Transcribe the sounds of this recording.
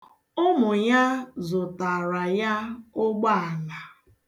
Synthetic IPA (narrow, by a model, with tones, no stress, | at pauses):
ʊ˦mʊ˨ja˦zʊ˨ta˨ɾa˨ja˦ʊ˦ɡ͡ba˦a˨la˨